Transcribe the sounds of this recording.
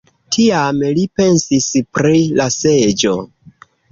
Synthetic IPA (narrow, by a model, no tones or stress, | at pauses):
tʰiamlipe̞nsispɾilase̞d͡ʒo̞